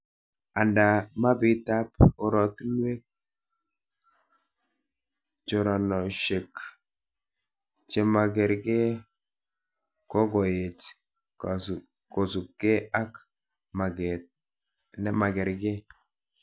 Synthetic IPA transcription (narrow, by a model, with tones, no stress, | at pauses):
a˨nda˨ma˦bi˦ta˦po˨ɾɔ˨t̪nwe˦k̚ | t͡ʃo˨ɾɔ˨nɔ˨ʃe˨k | t͡ʃe˨ma˨ɡɛ˨ɾɡe˦ | kɔ˦ɡɔ˨e˨t | ko˨su˨kːe˦a˦k | ma˨ɡɛ˨t̚ | nɛ˨ma˨ɡɛ˨ɾɡe˦